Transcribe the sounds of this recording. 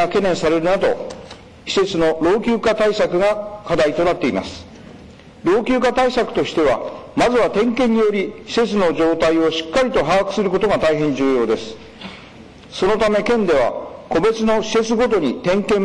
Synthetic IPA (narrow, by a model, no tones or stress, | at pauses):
ake̞nẽ̞ɰ̃saɾe̞ɾɯ̟nad̪o̞̰ | çi̥se̞t͡sɨno̞ɾo̞ːkʲɨːkat̪aisakɯ̟ɡakad̪ait̪o̞nat̪ːe̞ima̰sɨ̥ | ɾo̞ːkʲɨːkat̪aisakɯ̟̥t̪o̞ɕi̥t̪e̞β̞a̰mazɨβat̪ẽ̞ŋkẽ̞ɲ̟ːijo̞ɾʲiɕi̥se̞t͡sɨno̞ʑo̞ːt̪aio̞ɕi̥kːaɾʲit̪o̞ɦaːkɯ̟sɨɾɯ̟ko̞t̪oɡat̪aiɦẽ̞ɲ̟d͡ʑɨːjo̞ːd̪e̞sɨ̥ | so̞no̞t̪ame̞kẽ̞nd̪e̞β̞a̰ko̞be̞t͡sɨno̞ɕi̥se̞t͡sɨɡo̞t̪̬o̞ɲ̟it̪ẽ̞ŋkẽ̞m